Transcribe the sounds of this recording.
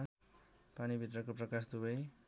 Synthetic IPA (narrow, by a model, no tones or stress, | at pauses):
panibʱit̪rʌkoprʌkasd̪ubʌj